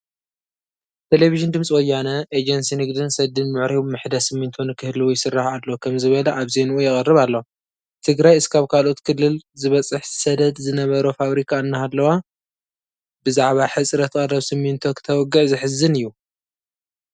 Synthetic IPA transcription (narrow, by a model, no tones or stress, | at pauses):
t̪ʰe̞leviʒɨnd̪ɨmsʼiwɔjːanɐʔed͡ʒɐnsinɨɡd̪ɨnsɐd̪ɨnmɨʕɾimɨħd̪ɐsɨmːint̪ʰonɨkʰɨhlɨwujɪsɨrːahalːokʰɐmzɨβɐlɐʔaβze̞nuʔujɛχʼɐrɨβalːow | t̪ʰɨɡɾajɨskʰaβkʰalo̞t̪kʰɨlːɨlzɨβɐt͡sʼɨħsɐd̪ɐd̪zɨnɐβɐɾofaβɾikʰaɨnːɐɦalːɐwa | bɨzaʕβaħɨt͡sʼɾɐt̪kʼɐrɐβsɨmːint̪ʰokʰɨ̥t̪ʰɐwɔɡːɨʕzɨħɨzɨnɨjːu